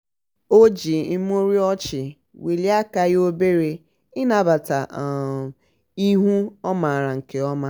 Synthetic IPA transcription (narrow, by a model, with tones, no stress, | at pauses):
o˦d͡ʒi˨i˦m˦o˦ɾi˦ɔ˦t͡ʃɪ˨ | wi˨li˦a˦ka˨ɣo˦be˦ɾe˦ | ɪ˦na˨ba˨ta˨ | i˦ɦu˦ɔ˦ma˨a˨ɾa˨ŋ̩˨ke˨ɔ˦ma˦